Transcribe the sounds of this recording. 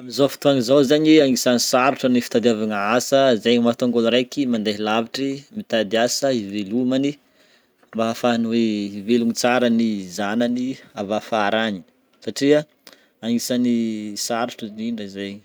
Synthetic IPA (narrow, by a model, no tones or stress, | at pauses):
amizofi̥t̪uaŋizozaɲiaŋisanisaɾuʈ͡ʂənifi̥t̪ad̪avaŋaasəizajɲmat̪aŋɡonɾajkimand̪aɦilaviʈ͡ʂimit̪ad̪iasəivelumani | mbaɦafaniweivelunit͡saɾənizananiavafaɾaɲi | saʈ͡ʂia | aŋisanisaɾuʈ͡ʂiniɳɖ͡ʐaizajɲi̥